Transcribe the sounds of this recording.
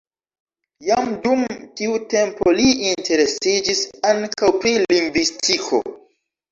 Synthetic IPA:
jamdumtiute̞mpo̞liintʰe̞ɾe̞sid͡ʒisaŋkawpɾiliŋɡvistʰikʰo̞̰

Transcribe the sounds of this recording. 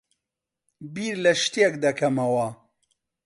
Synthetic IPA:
biːɾlɐʃt̪ekd̪ɐkʰɐmɐwɐ

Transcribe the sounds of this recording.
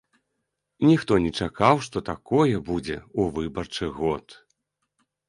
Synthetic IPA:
nʲixt̪ɔnʲɛt͡ʂakawʂt̪ɔt̪akɔjɛbud͡zʲɛuvɨbɐrt͡ʂɨɣɔt̪

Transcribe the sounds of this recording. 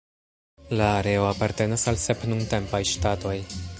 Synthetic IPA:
laːɾe̞o̞apaɾte̞nasalse̞pnunte̞mpajʃtato̞j

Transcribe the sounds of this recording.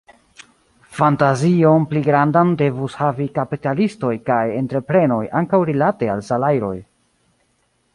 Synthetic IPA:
fantazio̞npliɡɾandande̞vushavikapitalisto̞jkaje̞ntɾe̞pɾe̞no̞jaŋkawɾilate̞alsalajɾo̞̰j

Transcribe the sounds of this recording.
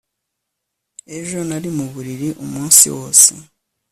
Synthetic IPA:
eʒo̞naɾimuβuɾiɾiʔumuːnsḭwoːsḭ

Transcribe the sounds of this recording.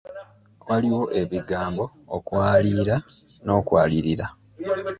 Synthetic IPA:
waliwo̞ʔe̞βiɡaːmbo̞ | okwaːliːɾa | no̞ːkwaːliɾiɾa

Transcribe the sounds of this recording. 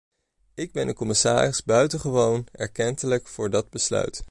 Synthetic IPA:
ɪɡ̚bɛndəkɔmɪsa̰ːrɪzbœɥtəχəʋownɛ̰ɹkɛntələkfʊːɹdɑd̚bəslœ̰ɥt

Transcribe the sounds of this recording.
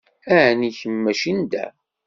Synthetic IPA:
æʕniçəmːæʃind̪æ̰

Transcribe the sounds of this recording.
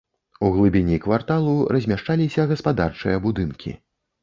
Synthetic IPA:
uɣlˠɨbʲinʲikvart̪alˠurɐzʲmʲaʂt͡ʂalʲisʲɐɣɐspad̪art͡ʂɨjɐbud̪ɨnkʲḭ

